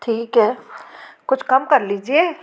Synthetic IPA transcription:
ʈʰiːkɦɛː | kʊt͡ʃʰkɐmkɐɾliːd͡ʒieː

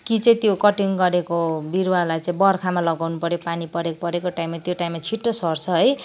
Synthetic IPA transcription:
kit͡sʌĩt̪jokʌʈiŋɡʌɾekobiɾwalajt͡sʌĩbʌrkʰamalʌɡawnupʌɾjopanipʌɾekpʌɾekoʈaimːat̪joʈaimːat͡sʰiʈːosʌrt͡sʰʌɦʌj

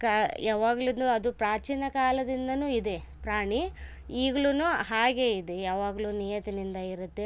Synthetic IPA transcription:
kajaːʋaːɡɭund̪uɐd̪upɾaːt͡ʃiːnɐkaːlɐd̪ind̪ɐnuːid̪e | pɾaːɳi | iːɡɐɭunuɦaːɡe̞ːid̪ejaːʋaːɡɐɭuːniːjɐt̪inind̪ɐiɾut̪ːe

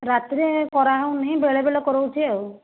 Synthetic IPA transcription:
ɾat̪ɾekɔɾaɦew̃nĩbeɭebelɔkɔɾowt͡ʃʰiew

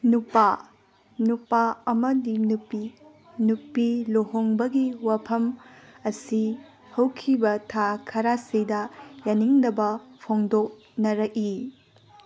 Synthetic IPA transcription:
nupa | nupaɐmɐdinupi | nupiloɦoŋbɐɡiwapʰɐmɐsi | hɐwkʰibɐtʰakʰɐɾasidɐjaniŋnɐbɐpʰoŋdok̚ | nɐɾɐki

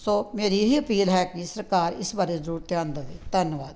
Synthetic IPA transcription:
soːmeːɾiːɦiːəpiːlɦɛːkɪsəɾkaːɾɪsbaːɾeːzəɾuːɾt̪eãːnd̪aːd̪iːt̪ənʋaːd̪

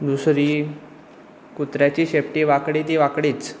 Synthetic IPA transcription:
d̪usɾiː | kut̪ɾjat͡ɕiːɕepʈiʋakɽiːt̪iʋakɽiːt͡s

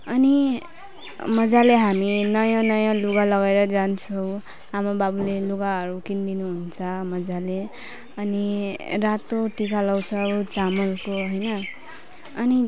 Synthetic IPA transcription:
ʌni | mʌd͡zaleɦaminʌjãnʌjãluɡalʌɡeɾʌd͡zant͡sʰʌw̃ | amababuleluɡaʌɾukind̪inuɦunt͡sʰʌmʌd͡zale | ʌniɾat̪oʈikalʌwt͡sʰʌut͡samʌlkoɦojnʌ | ʌni

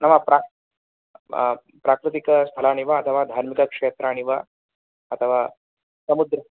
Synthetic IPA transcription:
nɐʋapɾa | pɾakɾit̪ikəst̪ʰəlaɽ̃iʋaːt̪ʰəʋad̪ʱaɾmikakʂeːt̪ɾaːɽ̃iʋa | ət̪ʰəʋa | sɐmud̪ɾə

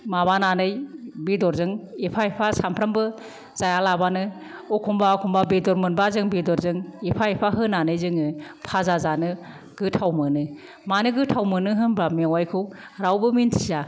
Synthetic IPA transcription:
mabananɯjbidɔɾzɯŋepʰaipʰasampʰɾambɯ | zajalabanɯ | ɔkʰɔmbakʰɔmbabidɔɾmɯnbazɯŋbidɔɾzɯŋipʰaipʰaɦɯnanɯjzɯŋɯpʰazazanɯ | ɡ̥ɯtʰawmɯnɯ | manɯɡɯtʰawmɯnɯɦɯnbɾamiwajkʰɯw | ɾawbɯmintʰi̥za

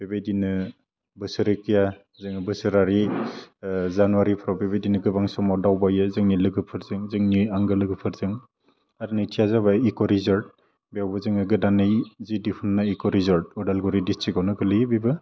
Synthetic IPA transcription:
b̥ebejdinɯ | bɯsɯɾɯkʰija | zɯŋɯbɯsɯɾaɾi | zanuwaɾipʰɾawbebejdinɯɡɯbaŋsɔmɔdawbajɯzɯŋnilɯɡɯpʰɯɾzɯŋzɯŋniaŋɡɯlɯɡɯpʰɯɾzɯŋ | aɾnɯjtʰijazaβaikɔɾizaɾd̚ | bjawbɯzɯŋɯɡɯdanɯjzidipʰɯnːaikɔɾizɔɾd̚ɔdalɡuɾidistʰikɔwnɯɡɯlɯjbibɯ

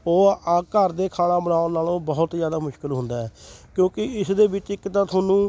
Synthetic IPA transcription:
oːaːkəɾd̪eːkʰaːlaːbənaːõːnaːlõːbəɦʊt̪d͡ʒjaːd̪aːmʊʃkɪlɦʊ̃nd̪aːɦɛːkjõːkɪɪsd̪eːbɪt͡ʃɪkːt̪ãːt̪ʰoːnũː

